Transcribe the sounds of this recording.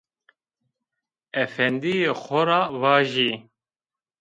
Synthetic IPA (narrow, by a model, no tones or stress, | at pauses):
ɛfɛnd̪ijexɔɾaːvɑːʒi